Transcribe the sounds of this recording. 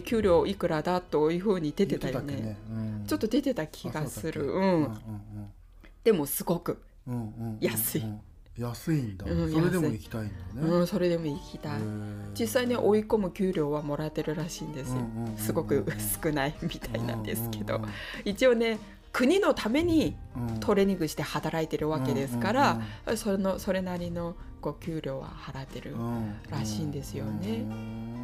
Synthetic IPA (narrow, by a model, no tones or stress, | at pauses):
kʲɨːɾʲo̞ːikɯ̟ɾad̪at̪ːojɯ̟ɸɯ̟ːɲ̟id̪e̞t̪e̞t̪aj̪ne̞t͡ɕo̞t̪ːo̞d̪e̞t̪e̞t̪akʲʰiɡasɨɾɯ̟ɯ̟̃ɴ | d̪̥e̞mo̞sɨɡo̞kɯ̟ | jasɨi | jasind̪ɯ̟̃jaikʲt̪aiɯ̟̃ːso̞ɾe̞d̪e̞mo̞ikʲi̥t̪aid͡ʑisaine̞ʔo̞iko̞mɯ̟kʲɨːɾʲo̞ːβamo̞ɾat̪ːe̞ɾɯ̟ɾaɕiːnd̪e̞sɨjosɨɡo̞kɯ̟sɨ̥kɯ̟naimʲit̪ʰainã̰nd̪e̞̰sɨ̥ke̞d̪o̞̰it͡ɕio̞ne̞ | kɯ̟ɲ̟ino̞t̪ame̞ɲ̟it̪ʰo̞ɾe̞ɲ̟ĩŋɡɯ̟ɕi̥t̪e̞hat̪aɾait̪e̞ɾɯ̟βake̞d̪e̞sɨ̥kaɾasonoso̞ɾe̞naɾʲino̞ | ko̞ːkʲɨːɾʲo̞ːβa̰haɾat̪ːe̞ɾɯ̟̰ɾaɕiːnd̪e̞sɨjo̞ne̞